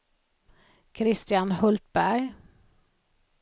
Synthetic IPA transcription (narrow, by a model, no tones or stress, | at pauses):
kʰɾɪst̪jɑnhɔlt̪̚bæɾ